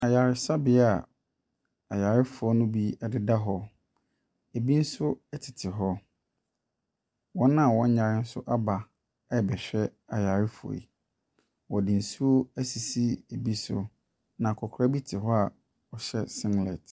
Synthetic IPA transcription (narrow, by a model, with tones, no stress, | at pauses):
a˨ja˨ɾɪ˨sa˦bɪ˨˦a˨ | a˨ja˨ɾɪ˦fʊ˨ɔ˦nʊ̃˦bi˦ɛ˦dɪ˦da˦ɦɔ˦ | e˨bi˦n̩˦sʊ˦ɛ˦tʰɪ˨tʰɪ˨ɦɔ˦ | wɔ̃˦nã˦˨wɔ̃˦ɲ˦ɲã˨ɾɪ˦n̩˦sʊ˦ʔa˦ba˨˦˨ | bɛ˨ɕᶣɛ˦a˨ja˨ɾɪ˦fo̰˨ḭ˨ | wɔ˨dɪ˨n̩˨su˦o˦æ˦si˨si˦e˨bi˦sʊ˦ | nã˨kʰɔ˨kʰɾa˦bi˦tʰɪ˨ɦɔ˦a˨ | ɔ˨ɕɛ˦sɪ̃˦ŋlɛ̰˨t